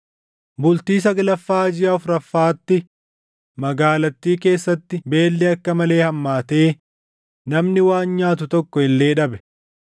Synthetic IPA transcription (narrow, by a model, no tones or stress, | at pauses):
bʊlt̪iːs̬ɐɡɐlɐfːaːd͡ʒɪjɐfɾɐfːaːt̪ːɪ | mɐɡaːlɐt̪ːiːke̞ːsːɐt̪ːɪbe̞ːlːɛɐkːɐmɐle̞ːhɐmːaːt̪e̞ː | nɐmnɪwaːnɲaːt̪ʊt̪ɔkːɔɪlːe̞ːᶑɐbɛ̥